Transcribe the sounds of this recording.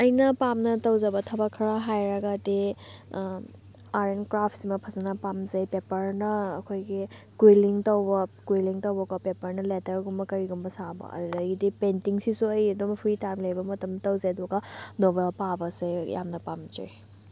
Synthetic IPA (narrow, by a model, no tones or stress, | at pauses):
ɐjnɐpamnɐtɐwzɐbɐtʰɐbɐkʰɐɾaɦajɾɐɡade | aɾenkɾapʰsimɐpʰɐzɐnɐpamzɐjpepɐɾnɐːkʰojɡi | kwiliŋtɐwbɐkwiliŋtɐwbɐɡɐpepɐɾnɐletɐɾɡumbɐkɐɾiɡumbɐsabɐ̰ɐ̰dudɐɡidipentiŋsisuɐjɐdumpʰɾitajmlɐjbɐmɐtɐmtɐwzajdɔɡanobelpabɐsejja̰mnɐpamd͡ʒḛj